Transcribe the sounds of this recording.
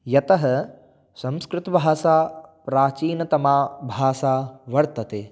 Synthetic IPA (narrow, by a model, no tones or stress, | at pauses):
jɐt̪ɐɦɐ̆ | sɐ̃mskɾɪt̪ɐbʱaːsaːpɾaːt͡ʃiːnɐt̪ɐmaːbʱaːsaːʋɐɾt̪ɐt̪eː